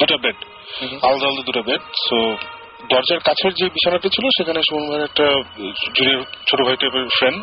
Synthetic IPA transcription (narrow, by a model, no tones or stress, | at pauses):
d̪uʈabeɖ | ald̪ald̪od̪uʈabeɖt̪o | d̪ɔɾd͡ʑaɾkat͡ɕʰeɾd͡ʑebiʃanaʈat͡ɕʰiloʃekʰaneʃuonbʱaiɛk̚ʈad͡ʑuɾiet͡ɕʰoʈobʱaiʈefɾen